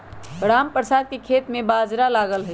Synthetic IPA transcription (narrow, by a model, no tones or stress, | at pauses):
ɡɾampɾəsad̪̚kekʰet̪mebad͡ʒɾalaɡəlɦəj